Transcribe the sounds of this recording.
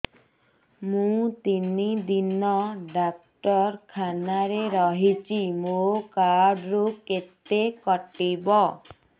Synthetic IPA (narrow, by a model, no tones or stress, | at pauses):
mũt̪inid̪inɔɖak̚ʈɔɾkʰanaɾeɾɔɦit͡ʃʰimokaɖɾuket̪ekɔʈibɔ